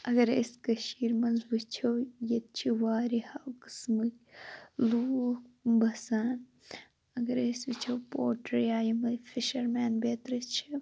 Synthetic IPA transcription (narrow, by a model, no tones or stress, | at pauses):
ɐɡɐɾeskɐʃiːɾmɐnzbit͡ʃʰowjɐt̪̚t͡ʃʰiʋaːɾihawkɨ̥smɨkʲ | luːkbɐsaːn | ɐɡɐɾesʋit͡ʃʰɐwpoːʈɾjaːjimɐfʰiʃɐɾmaːnbeːt̪ɾɐt͡ʃʰi